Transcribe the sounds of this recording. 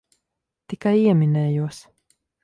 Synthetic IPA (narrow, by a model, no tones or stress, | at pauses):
t̪ikajiɛminɛːjuɔs